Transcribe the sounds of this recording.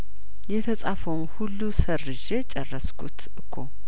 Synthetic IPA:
jɛt̪ʰəsʼafəwnhulːusəɾːɨʒet͡ʃʼɛrːəskʰut̪ʔɨkʰːo

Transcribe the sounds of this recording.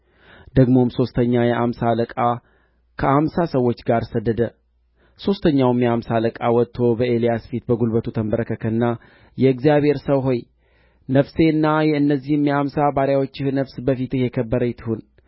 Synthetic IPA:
d̪̥əɡmo̞mso̞st̪ʰəɲːajɛʔamsaləkʼa | kʰəʔamsasəwːo̞t͡ʃːɡaɾsəd̪ːəd̪ə | so̞st̪ʰəɲːawmjɛamsaləkʼawɔt̪ʰːo̞bəʔe̞lijasfit̪bəɡulbət̪ʰut̪ʰəmbəɾəkəkʰəɨnːa | jɛɨɡzijaβʱhe̞ɾsəwɦo̞j | nəfse̞ɨnːajɛɨnːəzːihɨmjɛamsabaɾjawo̞t͡ʃːɪhnəfsbəfit̪ɨhjɛkʰəbːəɾəjɪt̪ʰhon

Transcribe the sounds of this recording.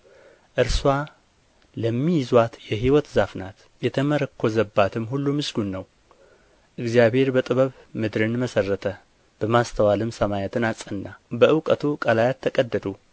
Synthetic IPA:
ʔɨɾswa | ləmːijɪzwat̪jɛɦiwɔt̪zafnat̪ | jɛt̪ʰəməɾəkʰːozəbːat̪ʰɨmɦulːumɨsɡunːəw | ʔɨɡzijabhe̞ɾbət̪ʼɨβəβ | mɨd̪ɾɨnməsərːət̪ʰə | b̥əmast̪ʰəwalɨmsəmajɛt̪ʰɨnat͡sʼənːabəʔɨwkʼət̪ʰukʼalajat̪ʰːəkʼəd̪ːəd̪u

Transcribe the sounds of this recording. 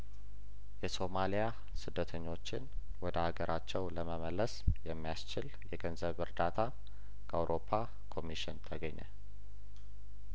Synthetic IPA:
jɛso̞malija | sɨd̪ːət̪ʰəɲːo̞t͡ʃːɪn | wɔd̪əhaɡəɾʔat͡ʃːɛwləməməlːəsjɛmːijast͡ʃɪl | jɛɡənzəβɨɾd̪at̪ʰa | kʰəʔawɾʔo̞pʰa | kʰo̞miʃɪnt̪ʰəɡəɲːə̰

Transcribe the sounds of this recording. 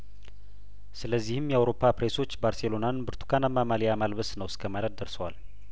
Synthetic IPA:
sɨləzːihɨmjɛawɾo̞pʰːapɾeso̞t͡ʃːbaɾselo̞nanbɨɾt̪ʰu̥kʰanamːamalijamalβəsnəwskʰəmaləd̪̚d̪əɾsəwal

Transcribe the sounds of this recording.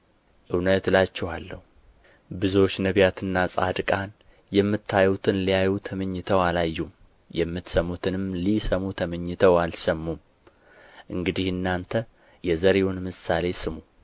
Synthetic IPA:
ʔɨwnət̪lat͡ʃːɛhalːəhu | bɨzo̞t͡ʃːnəβjat̪ʰɨnːasʼa̰d̪kʼan | jɛmːɨt̪ʰːajut̪ʰɨnlijajut̪ʰəməɲːɨt̪ʰəwalajːum | jɛmːɨt̪səmːut̪ʰɨnɨmlisəmut̪ʰəməɲːɪt̪ʰəwalsəmːum | ʔɨŋɡɨd̪ihɨnːant̪ʰə | jɛzəɾewunmɨsale̞sɨmu

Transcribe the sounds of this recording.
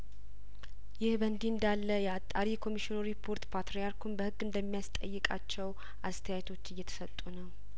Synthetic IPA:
jɪhbənd̪iɨnd̪alːəjɛat̪ʼːaɾikʰo̞miʃinoɾipʰːo̞ɾt̪pʰat̪ɾijaɾkʰunbəhɨɡːɨnd̪əmːijast̪ʼə̰jːɨkʼa̰t͡ʃːɛw | ʔast̪ʰəjajt̪ʰo̞t͡ʃːɨjːɛt̪ʰə̥sət̪ʼːunəw

